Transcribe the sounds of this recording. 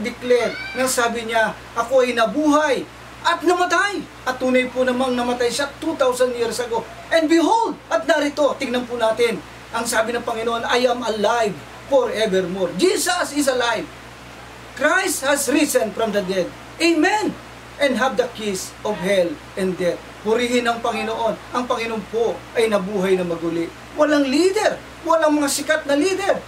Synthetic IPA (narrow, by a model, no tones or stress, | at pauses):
d̪ɪklɛɹnɐŋsaːbɪɲa | ʔɐko̞ɐjnɐbuːɦaj | ʔɐt̪̚nɐmɐt̪aj | ʔɐt̪ːuːnɐjpʊnɐmaŋnɐmɐt̪ajʃat̪ut̪awsɐndjiɹsɐɡo | ʔɛ̃nd̪bɪɦold̪̚ɐt̪̚naɾɪt̪o̞t̪ɪŋnɐnpʊnaːt̪ɪn | ʔɐŋsaːbɪnɐŋpɐŋɪnoʔonɐjamɐlajv | foɹɛvɛɹmoɹd͡ʒisɐsɪs̬ɐlajv | kɾajst̪̚hɐsɹisɛ̃nfɹɐmd̪ɐd̪ɛd̪̚ | ʔɪmɛn | ʔɛ̃nd̪ɦavd̪ɐkis | ɔvhɛl | ɛ̃nd̪ɛt̪̚ | pʊɾihɪnɐŋpɐŋɪnoʔo̞nʔɐŋpɐŋɪnonpoʔɐjnɐbuːɦajnɐmɐɡulɪʔ | wɐlaŋlid̪ɛɾ | wɐlaŋmɐŋasɪkat̪̚nɐlid̪ɛɹ